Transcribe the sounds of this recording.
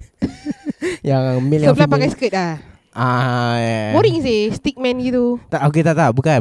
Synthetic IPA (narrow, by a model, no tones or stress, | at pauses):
jaŋmilĩəflapakajsə̥kət̪̚la | ajamoɾiŋisest̪ik̚mɛ̃nɡit̪ut̪aʔok̬et̪aʔt̪abuka